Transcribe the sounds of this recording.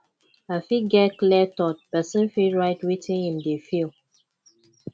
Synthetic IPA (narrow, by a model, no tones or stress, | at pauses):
afiɡɛklɛtɔt̚pɛsĩnfiɹaɪtwitĩnhĩmdefil